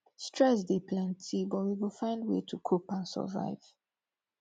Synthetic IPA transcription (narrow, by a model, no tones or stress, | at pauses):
stɹɛs̬depʰlɛ̃ntʰibɔt̚wiwɪlˠfãɪ̃ndwḛtʰukʰopãnsə̰va̰ɪv̥